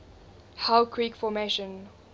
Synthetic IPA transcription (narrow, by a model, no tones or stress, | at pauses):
haʊkʰɹiːkfɔmeʃə̃n